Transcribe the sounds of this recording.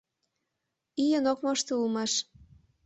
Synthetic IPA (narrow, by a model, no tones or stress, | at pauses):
ijənokmoʃt̪oulmɑʃ